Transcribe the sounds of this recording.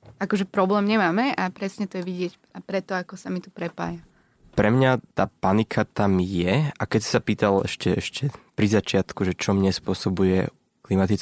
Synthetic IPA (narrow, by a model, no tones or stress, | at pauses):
akɔʒɛpɾɔblɛːmɲɛmaːmɛʔapɾɛsɲɛt̪ɔjɛʋiɟɪɛc | apɾɛt̪ɔakɔsamit̪u̥pɾɛpa̰ːja | pɾɛmɲat̪aːpanikʰat̪amjɛakɛcsi̥sapiːt̪alɛ̰ʃcɛɛʃcʰɛpɾizat͡ʃɪat̪kuʒɛt͡ʃɔmɲɛspʊɔsɔbujɛ̰ | klimat̪it͡s